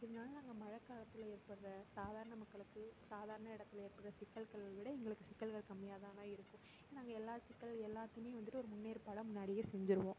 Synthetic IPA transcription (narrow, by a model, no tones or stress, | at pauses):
ɪðɐnaːlɐnaːŋɡɐmɐɻɐkːaːɪɭɐt̪ːɪleːɾpɐɽɯɾɐsaːðaːɾɐnɐmɐkːɐɭɯkːɯsaːðaːɾɐnɐɪɽɐt̪ːɪleːɾpɐɽrɐsɪkːɐlkɐɭlʋɪɽɐɛŋɡɐɭɯkːɯsɪkːɐlɣɐɭkɐmːɪjaːðaːnaːɪɾɯkːʊ̃ | ɪɐnaːŋɡɐɛlːaːðɯsɪkːɐɭɛlːaːt̪ːɯjmeːʋɐnd̪ɪʈːɯɔɾɯmʊnːeːɾpaːɽɐmʊnːaːɽɪjesɛɲd͡ʒɪɾɯʋõː